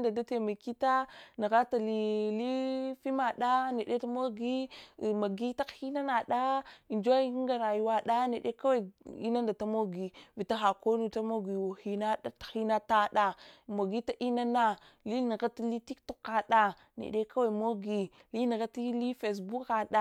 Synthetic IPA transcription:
nda˨da˦te˨ma˨ki˦ta˦ni˨ɣa˦ta˨li˦li˦fi˦ma˨ɗa˦ne˨ɗe˦ta˦mo˦ɡi˦˨ma˨ɡi˦ta˦hi˦na˦na˨ɗa˦i˨nd͡ʒa˦i˦i˦ŋɡa˨ɾa˨ju˦wa˦ɗa˦ne˨ɗe˦ka˦wa˦˨ḭ˦na˦nda˨ta˦mo˦ɡi˨vi˨ta˦ɦa˨ko˦nu˦ta˦mo˦ɡi˨wo˨hi˦na˦a˦tḁ˨xi˦na˦ta˦ɗa˦mo˨ɡi˦ta˦ʔi˦na˦na˦˨ | li˦ni˨ɣa˦ti˦li˦ti˦ktu˨ka˨ɗa˦ | nḛ˨ɗe˦ka˦wa˨mo˦ɡi˨ | li˦nə˨ɣa˦ti˦li˦fe˨s̬bu˦ka˨ɗa˦

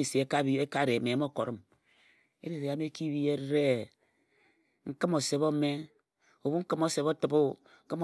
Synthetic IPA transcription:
i˦˨se˨e˦ka˦i˦e˦ka˦˨ɾe˨me˨˦mo˦˨ko˨ɾi˦m | ḛ˦ɾe˨ɾe˨a˦me˦ki˦βi˦e˦ɾɾe˦ | ŋ̩˦kɨ˦mo˨se˨βo˦me˦ | o˨βu˦ŋ̩˦kɨ˦mo˦se˨βo˦tɨ˨bo˦ | ŋ̩˦kɨ˦m˨

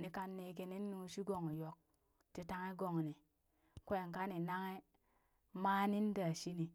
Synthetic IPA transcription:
ni˨ka˦nːe˨ke˧ni˦nː˦u˦ʃi˦ɡo˨ŋ˨jo˨k̚ | ti˨ta˦ŋe˦ɡo˨ŋni˨ | kʷe˦˨ŋ˨ka˦ni˨na˦ŋe˦ | maː˦ni˦n˦da˨ʃi˦ni˨

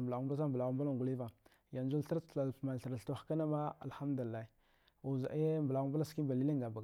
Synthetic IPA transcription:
mba˨ɣu˦bs̬a˦mbə˨la˨ɣu˦mba˦la˦˨ɡu˨li˦va˨ | ja˨nd͡ʒu˦lɬa˦ɾa˨ma˨n˨ɬa˨ɾa˨ɬtu˦xka˦na˦ma˦a̰˨lxa˦mdu˨li˨a˦i˨ | u˨za̰˨e˦mbə˨la˨ɣu˦mba˦a˦ski˦ba˨li˦li˦ŋɡa˨ba˨

